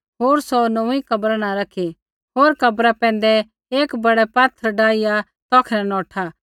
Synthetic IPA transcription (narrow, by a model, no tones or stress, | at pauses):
ɦoːɾsɔnɐ̃ikɐbɾanãɾɐkʰe | ɦoːɾkɐbɾapɛ̃ːnd̪ɛ | eːkbɐɽɛpaːt̪ʰːəɾɖaːija | t̪ɔːkʰnɛ̃nɔːʈʰaː